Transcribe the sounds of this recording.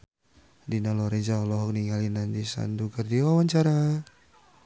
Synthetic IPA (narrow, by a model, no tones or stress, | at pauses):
dinalɔɾɛd͡ʒalɔɦɔk̚niŋalinandisa̰nduɡardiwawaɲt͡ʃaɾa